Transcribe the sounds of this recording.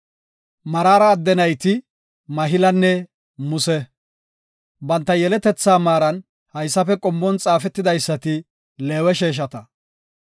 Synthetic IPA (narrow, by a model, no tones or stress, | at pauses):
mɐɾaːɾɐːd̪ːɛnɐjt̪ɪ | mɐɦɪlɐnːɛ | mʊsɛ | bɐnt̪ːɐjɛlɛt̪ɛt͡sːaːmaːɾɐn | hɐjsːɐfɛkʼɔmːɔnt͡sʼaːfɛt̪ːɪd̪ɐjsːɐt̪ɪ | leːwɛʃeːʃ̬ɐt̪ɐ